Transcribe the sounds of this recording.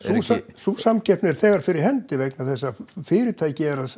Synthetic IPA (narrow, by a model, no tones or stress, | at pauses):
susasusamcɛhpnɛɾ̥θɛːɣaɾ̥fɪɾɪɾ̥hɛnt̪ɪvɛknaθɛsːafɪːɾɪt̪ʰaːjcɪɛɾa